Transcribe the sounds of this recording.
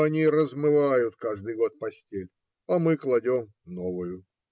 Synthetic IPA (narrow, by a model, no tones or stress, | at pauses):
ɐnʲiɾəzmɨvajʊt̪kaʐd̪ɨjɡo̞t̪̚pɐsʲtʲelʲ | ɐmɨklˠɐdʲom | novʊjʊ